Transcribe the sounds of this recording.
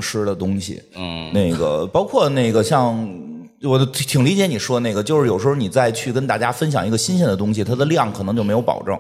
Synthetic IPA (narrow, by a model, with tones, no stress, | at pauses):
ŋʂɻ̩˥d̪ə˨t̪ʊ˥ŋɕḭ˨˩ne˥˩ɪɡə̰˩pɑ˥ʊkʰwɔ˥˧ne˥˩ɪɡə˩ɕjɑ˥˧ŋ | wɔ˨˩˥t̪ʰi˨˩ŋli˧˥t͡ɕjɛ˧˥ni˨˩ʂwɔ˥ne˥˩ɪɡə˩t͡ɕjo˥˧ʊʂɻ̩˥˩jo˨˩ʂ̩˧˥˩ni˨˩t͡sa˥˧ɪt͡ɕʰy˥˩kə˥nt̪a˥˩t͡ɕja˥fə˥nɕjɑ˨˩ŋi˧˥ɡə˧ɕi˥nɕ̬ɛ˥˩nd̪ə˩t̪̬ʊ˥ŋɕ̬i˨˩t̪ʰa˥d̪ə˧ljɑ˥˩ŋkʰnɤ˧˥ŋt͡ɕjo˥˩me˧˥ɪjo˧˥ʊpɑ̰˨˩ʊʈ͡ʂɤ̰˥˩ŋ